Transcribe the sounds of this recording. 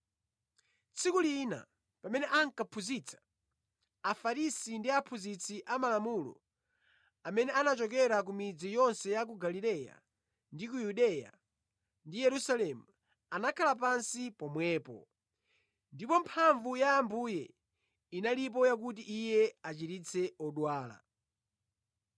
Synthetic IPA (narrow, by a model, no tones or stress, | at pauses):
t͡sʰikulina̰ | pamɛnɛʔaŋkapʰuzit͡sʰḁ | afaɾisindiapʰuzit͡sʰiʔamalamulɔ̰ | amɛnɛanat͡ʃɔkɛɾak̬umid͡zijɔnsɛjak̬uɡalilɛja̰ | ndikujuɗɛja̰ | ndijɛɾusalɛmu | anakʰalapansipɔmwɛːpɔ̰ | ndipɔmpʰaɱvujaːmbujɛ | inalip̬ɔjak̬ut̬iʔijɛat͡ʃitit͡sʰɛɔɗwaːla̰